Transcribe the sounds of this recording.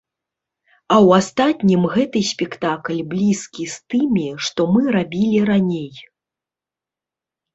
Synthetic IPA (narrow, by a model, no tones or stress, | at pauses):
ɐwast̪at̪ʲnʲimɣɛt̪ɨsʲpʲɛkt̪aklʲblʲiskʲist̪ɨmʲiʂt̪ɔmɨɾabʲilʲiɾanʲej